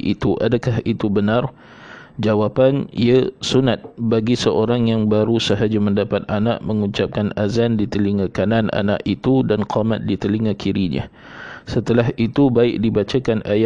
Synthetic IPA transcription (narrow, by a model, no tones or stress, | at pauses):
ʔḭt̪uʔadakaɦit̪ubənãr | d͡ʒawapanḭasunat̪̚baɡisəʔoɾaŋjaŋbaɾusəɦad͡ʒaməndapat̪̚ana̰ʔməŋuɲt͡ʃap̚kanazandit̪əliŋãkananʔa̰na̰ʔit̪udanqamat̪̚dit̪əliŋãkʰiɾiɲã̰ | sət̪əlaɦit̪ubaɪk̚dibat͡ʃakanaja